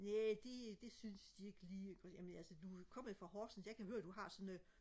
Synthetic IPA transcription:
ned̥e̝d̥e̝synsd̥ie̝ɡ̥əliːɡɒjæmənælsəd̥ukʰɒ̽m̰ðˠfʁɑ̈hɒːsn̩jɑkʰæɦøːɐd̥uhɑ̈sɒ̽n

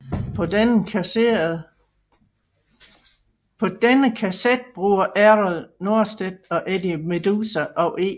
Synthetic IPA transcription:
pʰɒ̽d̥enəkʰæsed̥̚b̥ʁuːɐʔæʁɔlno̝ɐsd̥ed̥̚ɒ̽ʔed̥ime̝d̥usæʔɒ̽ʊʔeː

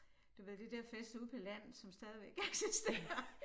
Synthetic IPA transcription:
d̥uʋe̝ð̰ˠd̥ed̥ɛɐ̰fesd̥uð̰ˠpʰɒ̽læn̰ð̩ˠsɒ̽msd̥ɛːð̞ˠiʋeɡ̥æeɡ̥sisd̥ḛːɐɐ

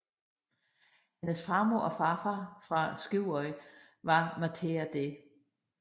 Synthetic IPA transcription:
henəsfɑ̈moɐ̰ɒfɑfɑfʁɑ̈sɡ̥iʊ̰ɒɪ | ʋɑ̈mæt͡sʰeæd̥e

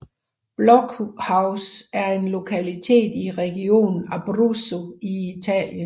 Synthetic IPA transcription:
b̥lɒɡ̥hɑ̈ʊsæɐe̝nlo̝kʰælit͡sʰe̝̰ːd̥iʁɛɡ̥io̝̰ːnn̩æb̥ʁuso̝iit͡sʰɛ̰ːljən

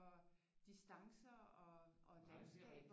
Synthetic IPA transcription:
ɒ̽d̥isd̥ɑ̈ŋsɐɒ̽ʔɒ̽lænsɡ̥ɛ̰ːb̥

